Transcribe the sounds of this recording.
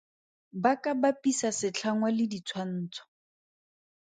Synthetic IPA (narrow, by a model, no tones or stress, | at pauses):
bakʼabapʼisasɪt͡ɬʰaŋwalɪdit͡sʰwan̩ːt͡sʰɔ̥